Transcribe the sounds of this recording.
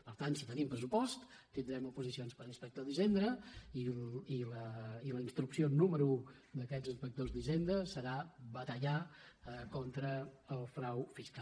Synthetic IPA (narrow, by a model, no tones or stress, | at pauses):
pəɾt̪ant̪sit̪ənimpɾəsupɔst̪ | t̪ind̪ɾɛmupuzisionspəɾəspək̚t̪oðizend̪ɾəililəiləinst̪ɾuksionuməɾuud̪əkɛzəspək̚t̪ozd̪izend̪ɾəsəɾaβət̪əʎa | kont̪ɾəəlˠfɾawfiska